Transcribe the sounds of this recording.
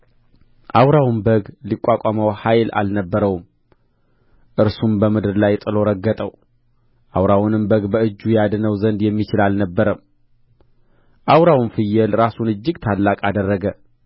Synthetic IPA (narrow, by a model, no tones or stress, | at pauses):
ʔawɾawnbəɡlikʼːakʼaməwhajla̰lnəbːəɾəwm | ʔɨɾsumbəmɨd̪ɨɾlajt̪ʼɨlo̞ɾəɡːət̪ʼəw | ʔawɾawunɨmbəɡbəɨd͡ʒːujad̪nəwzənd̪jɛmːit͡ʃɪlalnəbːəɾəm | ʔawɾawnfɨjːɛlɾasunɨd͡ʒːɪɡt̪ʰalːakʼad̪ərːəɡə